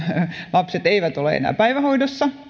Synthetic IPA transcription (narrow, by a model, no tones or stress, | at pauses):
lɑpset̪eiʋæt̪olḛḛnæ̰ːpæiʋæhoidosːɑ